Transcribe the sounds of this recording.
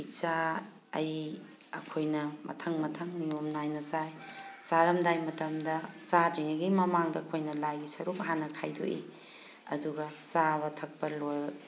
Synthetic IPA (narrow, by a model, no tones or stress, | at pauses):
it͡ʃa | ɐj | ɐ̰kʰojnɐmɐ̰tʰɐŋmɐtʰɐŋniomnajnɐt͡ʃajsaɾɐmdajmɐtɐmdɐt͡ʃadɾiŋɐɡimɐmaŋdɐɐkʰojnɐlajɡisɐɾuk̚ɦanɐkʰajdo̰ʔḛ | ɐ̰duɡɐt͡ʃabɐtʰɐk̚pɐlo